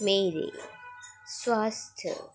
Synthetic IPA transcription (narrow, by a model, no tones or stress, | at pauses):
meːɾḛ | swaːst̪ʰə̰